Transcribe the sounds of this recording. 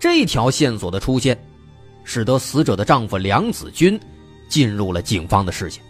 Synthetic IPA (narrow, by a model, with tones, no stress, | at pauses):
ʈ͡ʂɤ˥˧i˥˩t̪ʰjɑ˧˥ʊɕjɛ˥˩nswɔ˨˩d̪ə˦ʈ͡ʂʰu˥ɕjɛ˥˩n | ʂɻ̩˨˩t̪ə˧˥sɹ̩˧˥ʈ͡ʂɤ˨˩d̪ə˦ʈ͡ʂɑ˥˧ŋfu˥˩ljɑ˧˥ŋt͡sɹ̩˨˩t͡ɕy˥n | t͡ɕi˥˧nɻu˥˩lə˩t͡ɕi˨˩ŋfɑ˥ŋd̪ə˨ʂɻ̩˥˩t͡ɕʰi̥˩ŋ